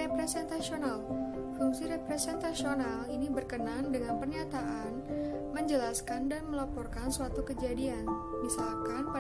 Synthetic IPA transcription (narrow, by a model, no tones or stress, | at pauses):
epɾesɛnt̪asional | fuŋsiɾepɾesɛnt̪asionalinibərkənandəŋanpərɲat̪aʔan | məɲd͡ʒəlaskandanməlapɔrkansəwat̪ukəd͡ʒadian | misalkanpa